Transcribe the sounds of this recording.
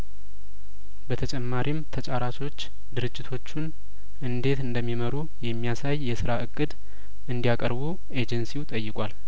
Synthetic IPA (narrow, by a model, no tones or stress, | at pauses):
bət̪ʰət͡ʃʼɛmːaɾimt̪ʰət͡ʃʼaɾat͡ʃʰo̞t͡ʃː | d̪ɨɾɨd͡ʒːɪt̪ʰo̞t͡ʃːun | ʔɨnd̪e̞t̪ɨnd̪əmːiməɾu | jɛmːijasajːɛsɨɾaʔɨkʼːɨd̪ | ʔɨnd̪ijakʼə̰ɾbu | e̞d͡ʒɛnsiut̪ʼəjːɨkʷʼal